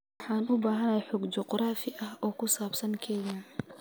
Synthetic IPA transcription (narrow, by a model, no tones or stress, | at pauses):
ħɑːnʊbaːɦɐnɐjħɔɡd͡ʒɔqɾaːfɪʔɐɦɔːkʰʊsaːbsɐŋkʰɛja